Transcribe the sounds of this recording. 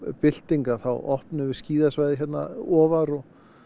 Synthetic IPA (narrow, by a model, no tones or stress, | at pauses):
pɪl̥t̪iŋkaθawɔ̰hpnʏvɪɾ̥sciːðasvajðɪçjɛt̪na̰ɔːvaɾɔɣ